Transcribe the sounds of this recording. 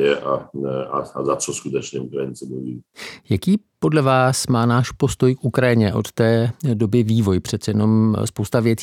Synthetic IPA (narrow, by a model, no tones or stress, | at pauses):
ɛʔaɛaazat͡sɔskut̪ɛt͡ʃɲɛukɾajint͡sɛmuʋḭːjakiːpo̞dlɛvaːsmaːnaːʃpo̞st̪o̞jkʔukɾajɪɲɛʔo̞̰t̪t̪ɛːdo̞bɪviːvo̞jpr̝̥ɛt̪t͡sɛjɛno̞mspo̞wst̪avjɛt͡sː